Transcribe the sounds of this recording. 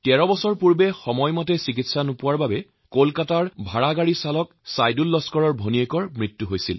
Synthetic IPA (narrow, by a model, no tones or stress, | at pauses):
tɛɹɔbɔsɔɹpuɹbɛxɔmɔjmɔtɛsik̬itsanupʊaɹbabɛ | kolkataɹbʱaɹaɡaɹisalɔk | sajdulːɔskɔɹɔɹbʱoniejkɔɹmɹitːuɦojsil